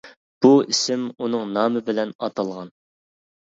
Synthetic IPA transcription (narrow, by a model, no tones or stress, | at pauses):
b̥uisɪmunɨŋnɑːmɨbɪlɛnɑt̪ʰɑlˠʁɑn